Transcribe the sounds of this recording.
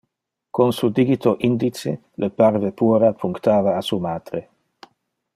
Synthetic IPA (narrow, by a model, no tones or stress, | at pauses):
konsud̪iɡit̪oʔind̪it͡sḛ | ləpaɾvepuːɾapʰuŋkt̪aːvaːsumaːd̪̥ɾe